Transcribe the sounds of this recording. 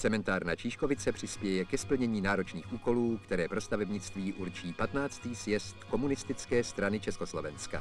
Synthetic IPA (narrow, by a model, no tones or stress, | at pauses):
t͡sɛmɛnt̪aːɾnat͡ʃiːʃko̞vɪt͡sɛpr̥ɪspjɛjɛkɛspl̩ɲɛɲiːnaːɾo̞t͡ʃniːxʔuːko̞luːkt̪ɛɾɛːpɾo̞st̪avɛbɲɪt͡st̪viːʔuɾt͡ʃiːpat̪naːt͡st̪iːsjɛst̪ko̞munɪst̪ɪt͡skɛːst̪ɾanɪt͡ʃɛsko̞slo̞vɛnska̰